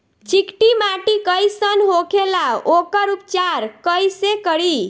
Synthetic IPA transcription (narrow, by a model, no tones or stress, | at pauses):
t͡ʃikʈimaʈikəjsənɦokʰelaokəɾup̚t͡ʃaɾkəjsekəɽi